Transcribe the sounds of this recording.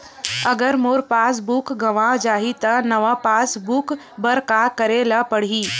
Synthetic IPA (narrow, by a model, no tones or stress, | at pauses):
əɡəɾmoːɾpaːs̬bukɡɐʋãd͡ʒaːɦit̪ɐnɐʋapaːsbuk | bəɾkakəɾelapəɽ̤iː